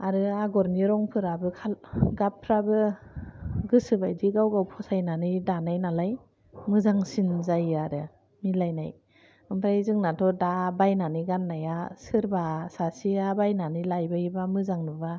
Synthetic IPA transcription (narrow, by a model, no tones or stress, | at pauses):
aɾɯaɡɔɾniɾɔŋpʰɯɾabɯkʰalɡapʰːɾabɯ | ɡɯsɯbajdiɡawɡawpʰɔsajnanɯjdanajnalaj | mɯzaŋsinzajaɾɯ | milajna̰j | ɯmpʰɾajzɯŋnatʰɔdabajnaniɡanːajasɯɾbasasiabajnanilajbaibamɯzaŋnuba